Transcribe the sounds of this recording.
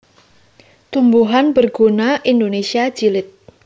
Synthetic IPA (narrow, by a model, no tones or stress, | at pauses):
t̪umbuɦanbərɡ̥unaʔind̪onesiḁd͡ʒ̥ilɪt̪̚